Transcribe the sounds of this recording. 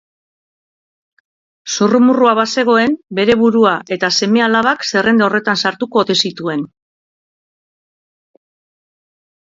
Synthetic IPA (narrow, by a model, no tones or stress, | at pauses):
sorumuruaβase̞ɣ̞o̞e̞mbe̞ɾe̞βuɾuaʔe̞t̪ase̞me̞alaβakse̞re̞nd̪eo̞re̞t̪ansaɾt̪uko̞ːt̪e̞sit̪ue̞n